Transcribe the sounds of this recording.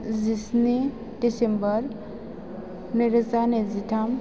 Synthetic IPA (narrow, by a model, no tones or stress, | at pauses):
d͡zisni | ɖisembəɾ | niɾt͡saned͡zit̪ʰam